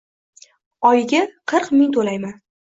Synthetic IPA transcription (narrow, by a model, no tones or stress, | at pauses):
ɒjɪɡʲaqʰɨɾqmɪŋt̪ʰolajman